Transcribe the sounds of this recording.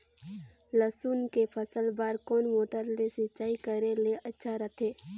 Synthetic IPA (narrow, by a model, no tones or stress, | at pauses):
ləsuːnkepʰəsəlbaːɾkoːnmoːʈəɾlesɪt͡ʃaːikəɾeleʔɐtːʃʰaɾət̪ʰeː